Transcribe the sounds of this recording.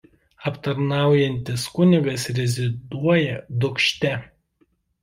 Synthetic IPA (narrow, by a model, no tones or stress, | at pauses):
ɐpt̪ɐɾnɑˑʊjɛnʲt̪ʲɪskʊnʲɪɡɐsɾʲɛzʲɪd̪uɔjɛd̪ʊkʃʲt̪ʲɛ